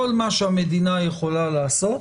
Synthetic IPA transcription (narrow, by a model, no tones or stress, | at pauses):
olmaʃamed̪inajeχolalaːsot̪